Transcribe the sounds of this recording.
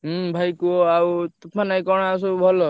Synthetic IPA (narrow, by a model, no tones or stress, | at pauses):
bʱajkuawt̪ɔpmanajkɔɽ̃as̬ubʱɔlɔ